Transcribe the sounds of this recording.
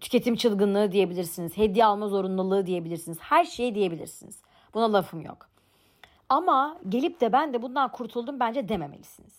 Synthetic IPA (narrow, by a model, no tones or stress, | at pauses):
t̪ʰy̥ce̞t̪ʰimt͡ʃʰɯlˠɡɯnlˠɯːd̪ije̞bilʲiɾsinizhed̪ːijalˠmazo̞ɾunlˠulˠɯːd̪ije̞bilʲiɾsinizhæɾʃejd̪ije̞bilʲiɾsinḭz̥ | b̥unalˠafɯmjo̰k | amaɟe̞lʲip̚d̪ɛbænd̪ɛbund̪ankʰuɾt̪ʰulˠd̪umbænd͡ʒɛd̪eme̞melʲi̥siniz̥